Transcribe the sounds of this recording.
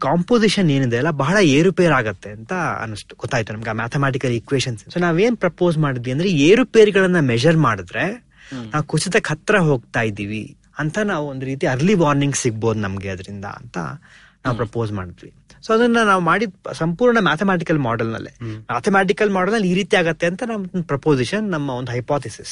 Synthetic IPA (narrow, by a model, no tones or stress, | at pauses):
kaːmpoːziʃɐne̞ːnid̪eːlːɐbɐːɐɭɐeːɾupeːɐɾaːɡɐt̪ːe̞ɐnt̪ɐɐ̰nɐsʈu̥ɡ̥ɔt̪ːaːjit̪ːunɐmɡeaːmaːt̪ʰemaːʈ̬ikɐlikʋeːʃɐnssoːnaːʋe̞ːnpɾɐpo̞ːsmaːɽid̪ʋiɐnd̪ɐɾeeːɾupeːɾɡɐɭɐnːɐmɛd͡ʒɐɾmaːɽid̪ɾe̞ | naːʋukut͡ʃid̪ɐkʰɐt̪ːɾɐɦo̞ːɡ̚t̪aːjid̪iːʋi | ɐnt̪ʰɐnaːʋuond̪uɾiːt̪̬iɐɾliʋaːɾniŋɡsiɡ̚bo̞ːd̪unɐmɡeɐd̪ɐɾind̪ɐ̰ɐ̰nt̪ɐ̰ | naːʋupɾɐpo̞ːzma̰ːɽid̪iʋi | soːɐd̪ɐnːɐnaːʋumaːɽid̪sɐmpuːɾɳɐmaːt̪ʰemaːʈ̬ikɐlmaːɖɐlnɐ̰lːḭmaːt̪ʰɐmaːʈ̬ikɐlmaːɖɐlnɐlːiːɾiːt̪iaːɡɐt̪ːe̞ɐnt̪ʰɐnɐmpɾɐpo̞ːziʃɐnːɐmːɐond̪uɦɐjpaːt̪ʰisis